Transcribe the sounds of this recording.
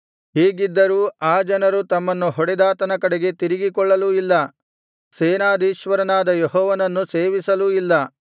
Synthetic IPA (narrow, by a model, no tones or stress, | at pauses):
ɦiːɡid̪ːɐɾuːaːd͡ʒɐnɐɾut̪ɐmːɐnːuɦɔɽɛd̪aːt̪ɐnɐkɐɽeɡe̞t̪iɾiɡikɔɭːɐluilːɐ | seːnaːd̪iːʃʋɐɾɐnaːd̪ɐjɔɦɔːʋɐnɐnːuse̞ːʋisɐluilːɐ